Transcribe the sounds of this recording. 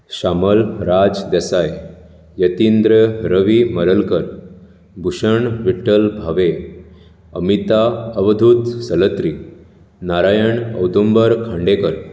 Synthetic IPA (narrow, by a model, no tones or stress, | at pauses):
ɕaməlɾad͡zd̪ɛsaj | jət̪ind̪ɾəɾəʋiməɾəlkəɾ | bʱuɕəɳʋiʈəlbʱaʋe | əmit̪aəʋd̪ʱut̪sələt̪ɾi | naɾajəɳə̰wd̪umbəɾkʰãɳɖekəɾ